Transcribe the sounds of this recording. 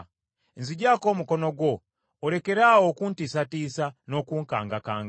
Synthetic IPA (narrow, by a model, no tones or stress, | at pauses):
enziɟaːko̞ːmuko̞no̞ɡwo̞ː | ɾe̞ke̞ɾawokuntisatiːsano̞kuːŋkaːŋɡakaːŋɡ